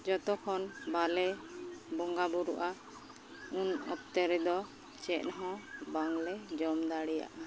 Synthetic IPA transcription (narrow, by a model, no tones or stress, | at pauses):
d͡ʒɔt̪ɔkʰɔnbalɛbɔŋɡabuɾuʔa | unɔ̰p̚t̪ɛɾɛd̪ɔ | t͡ʃɛʔ̪̚nɦɔ̃baŋlɛd͡ʒɔmd̪aɽija̰ʔa